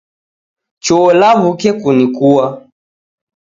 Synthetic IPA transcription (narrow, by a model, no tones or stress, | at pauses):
t͡ʃɔlaβukɛkunikuwa